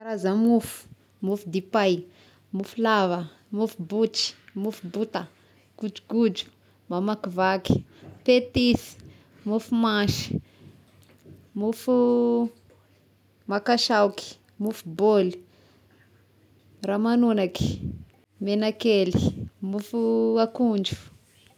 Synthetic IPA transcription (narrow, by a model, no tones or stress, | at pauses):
ɾazamufu̥ | mufud̪ipaj | mufulavə | mufubut͡ʃi̥mufubut̪a | ɡ̥ud͡ʒuɡud͡ʒu̥ | mamakivaki̥pet̪isi̥ | mufumaʃi̥ | mufu | makaʃawki̥ | mufuboli̥ | ramanunaki̥ | menakelimufuakund͡ʒu̥